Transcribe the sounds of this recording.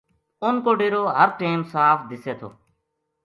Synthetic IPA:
ʊnkoːɖeːɾoːɦəɾʈeːmsaːfʰd̪ɪseːt̪ʰo̰ː

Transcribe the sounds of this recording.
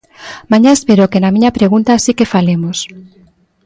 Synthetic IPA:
mãɲaespeɾokenamĩɲapɾeɣunt̪asikefalemos

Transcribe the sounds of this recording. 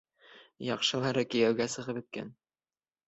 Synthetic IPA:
jɑqʃɤ̆lˠɑɾɤkɘ̆jæwɡæsɤ̆ʁɤpɘ̆t̪̚kæ̰n

